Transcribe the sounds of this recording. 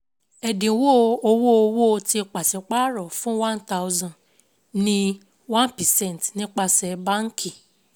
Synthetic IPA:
ɛ˨dĩ˨˦wo˦˧o˧wo˦o˧wo˦˧ti˧k͡pa˨sɛ˨k͡pa˦ɾɔ˨fũ˦wã˦nta˦u˦zã˦˨ | nĩ˦ | wã˦npɛ˨sɛ̃˦˨n˨tnĩ˦k͡pa˧sɛ˧bã˦ŋ̩˦kʰĩ˦˨

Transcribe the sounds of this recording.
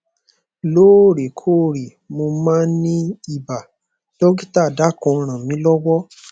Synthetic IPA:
loː˦˨ɾe˨kʰo˦˨ɾi˨ | mo˧mã˦nĩ˦i˦˨ba˨ | d̥ɔ˦ɡi˦ta˦˨da˨˦kõ˨˧ɾ̃ã˨mĩ˨˦lɔ˦wɔ˦

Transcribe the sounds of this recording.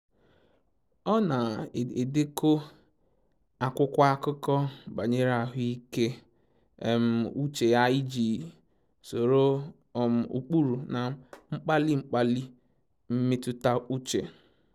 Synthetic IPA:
ɔ˦na˨e˨dɪ˦ko˦ | a˨kʷʊ˦kʷa˦kʊ˦kɔ˦ba˨ɲe˦ɾa˨ɦʊ˦i˦ke˦˨ | m̩˦u˦t͡ʃe˨ja˦i˦d͡ʒi˨ | so˨ɾo˦˨ | m̩˨ṵ˨k͡pu˦ɾu˨na˨˦ŋ͡m̩˦k͡pa˦li˦ŋ͡m̩˦k͡pa˦li˦ | m̩˦me˦tʊ˦ta˦u˦t͡ʃe˨

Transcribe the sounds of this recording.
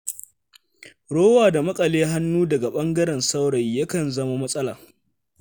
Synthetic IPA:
ɽoː˦waː˨da˨mɐ˦kʼɐ˨leː˦ɦa˦nːuː˦dɐ˨ɡa˨ɓɐ˦ŋɡɐ˦ɾɛ˨nsa˦wɽɐ˨jːɐ˦kɐ˨nzɐ˦ma˦mɐ˦sʼɐ˦la̰ː˨

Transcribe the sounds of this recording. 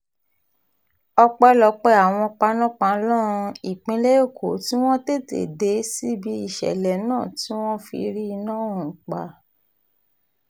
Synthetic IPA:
ɔ˧k͡pɛ˦lɔ˧k͡pɛ˧˦a˨w̃ɔ̃˧k͡pa˧˦nã˦k͡pã˧˦lɔ̃˦˧i˨k͡pĩ˧˦le˦jo˦˨kʰo˨˦ti˦w̃ɔ̃˦te˦˨tḛ˨de˨˦si˦bi˨˦i˦˨ʃɛ̰˨lɛ˨˦nãː˦˨ti˦w̃ɔ̃˦fḭ˧ɾi˦˧nãː˦˨ũ˨k͡pa̰˨˦

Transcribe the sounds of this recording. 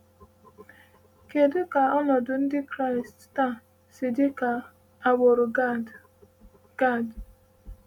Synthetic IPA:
ke˨dʊ˦ka˨ɔ˦nɔ˨dʊ˨n̩˦dɪ˦kɾa˦ɪ˨stta˦˨ | sɪ˨dɪ˦ka˨ | a˦˨ɡ͡bo˨ɾʊ˨ | ɡ̥a˦˨d

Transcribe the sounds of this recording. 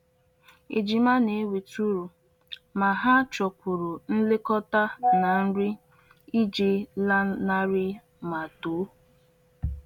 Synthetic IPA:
ḛ˨d͡ʒi˨ma˦ne˨˦wi˨tu˦ɾu˨ | ma˨ɦa˦t͡ʃɔ˨kʷu˨ɾu˨n̩˦lɪ˦kɔ˦ta˦na˨n̩˦ɾɪ˦ | i˦d͡ʒi˨la˦na˦ɾɪ˦ | ma˨to˨˦

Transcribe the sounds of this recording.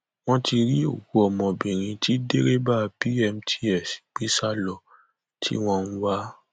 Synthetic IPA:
w̃ɔ̃˦ti˧ɾi˦o˦˨ku˦ɔ˧˨mɔ̃˧bĩ˨ɾ̃ĩ˧ti˦de˦ɾe˦ba˦˧pi˦ɛ˧m̩tʰi˦ɛ˦˨si̥˨k͡pi˦sa˦lɔ˨ | tʰḭ˦w̃ɔ̃˦˧n̩˦wa˦

